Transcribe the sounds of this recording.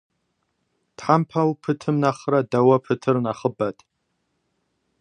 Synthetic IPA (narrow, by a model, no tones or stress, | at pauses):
d̥ħampʰawpʰɨtʰɨmnaχradawapʰɨtʰɨrnaχəbatʼ